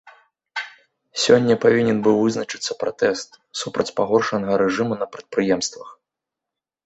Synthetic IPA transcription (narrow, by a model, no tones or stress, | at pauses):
sʲɔnʲːɐpavʲinʲɛnbɨwvɨznɐt͡ʂɨ̥t̪sːɐpɾat̪ɛst̪ | supɾɐt͡sʲpaɣɔrʂɐnɐɣɐɾɛʐɨmunɐpɾɐt̪̚pɾɨjɛmst̪vɐx